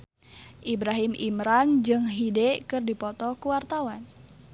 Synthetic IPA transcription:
ʔibɾaɦimʔimɾand͡ʒɨŋɦidɛʔkɨrdipɔt̪ɔkuwart̪awan

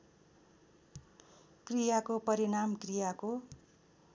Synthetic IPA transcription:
krijakopʌɾiɽamkrijako

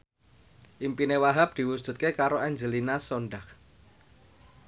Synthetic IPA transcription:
ʔimpinewaɦap̚d̪̥i̤wud̥ʒ̥ṳt̪̚kekaɾoʔaɲd͡ʒəlinasoɳɖak

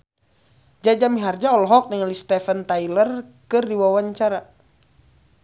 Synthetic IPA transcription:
d͡ʒad͡ʒamiɦard͡ʒaɔlɔɦɔk̚niŋalist̪ɛfənt̪ailərkɨrdiwawaɲt͡ʃaɾa

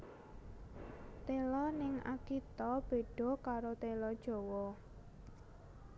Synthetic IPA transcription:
t̪elɔnɪŋa̰kit̪ɔb̥e̤ɖ̥ɔ̤kaɾot̪elɔd̥ʒ̥ɔ̤wɔ

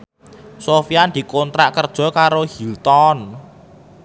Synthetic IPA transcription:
sofijand̪̥i̤kont̪ɾaʔkərd̥ʒ̥ɔ̤kaɾohilt̪ɔn

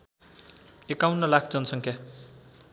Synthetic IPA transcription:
ekawnʌlakʰd͡zʌnsʌŋkʰja

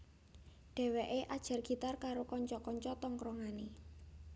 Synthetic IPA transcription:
ɖ̥ɛ̤weʔeʔad̥ʒ̥a̤rɡ̥i̤t̪arkaɾokɔɲt͡ʃɔkɔɲt͡ʃɔt̪ɔŋkɾɔŋane

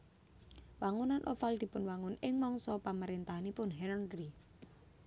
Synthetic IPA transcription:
waŋunanʔofald̪̥i̤pʊnwaŋʊnɪŋmɔŋsɔpaməɾent̪aɦanipʊnɦɛnənri

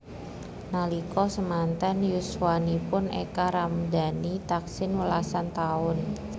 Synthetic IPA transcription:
nalikɔsəmant̪anjuswanipʊnḛkaɾamdanit̪aksɪnwəlasant̪aʊn

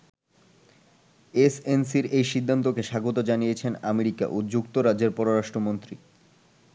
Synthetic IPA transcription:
esensiɾejʃid̪ʱːant̪okeʃaɡot̪od͡ʑanijet͡ɕʰenameɾika̰ʔod͡ʑukt̪oɾad͡ʑeɾpɔɾoɾaʃʈɾomont̪ɾi

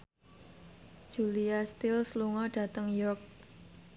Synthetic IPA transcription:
d̥ʒ̥uliast̪ɪlsluŋɔɖ̥ä̤t̪əŋjɔk̚

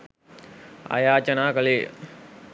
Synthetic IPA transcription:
a̰jaːt͡ʃɐnaːkəleː

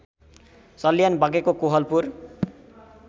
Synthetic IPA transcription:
sʌlijanbʱaɡekokuɦʌlpur

